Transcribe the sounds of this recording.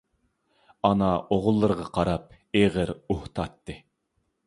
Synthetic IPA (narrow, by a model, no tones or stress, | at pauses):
ɑnɑʔoʁʊlˠːɨɾəʁɑqʰɑɾɑp̚ | eʁəɾuht̪ʰɑt̪ːɨ